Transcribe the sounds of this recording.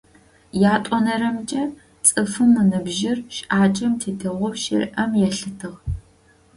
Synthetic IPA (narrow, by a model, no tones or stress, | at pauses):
jaːtʷʼɔnɐɾɐmt͡ʃʼɐ | t͡sʼɨfɨmːɨnɨbʒɪrʃʔaːt͡ʃʼɐmtʰeːtʰɐʁʷɔwʃɪ̰rʔɐmjɛɬɨtʰɨʁ